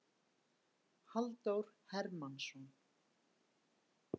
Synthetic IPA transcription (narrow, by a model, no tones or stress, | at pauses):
halt̪owɾ̥hɛɾmansɔn